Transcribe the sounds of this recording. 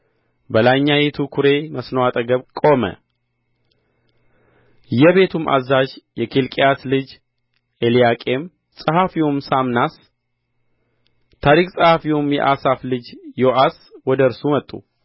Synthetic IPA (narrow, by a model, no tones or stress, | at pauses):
bəlaɲːajet̪ʰukʰuɾe̞məsnowat̪ʼəɡəβkʼo̞mə̰ | jɛβe̞t̪ʰumʔa̰zaʒjɛkʰilkʼejat̪lɨd͡ʒ | elijakʼe̞m | sʼəhafiwomsamnas | t̪ʰaɾikʼsʼəhafiwomjɛ̰ʔasaflɨd͡ʒjoʔas | wɔd̪əɾsumət̪ʼːṵ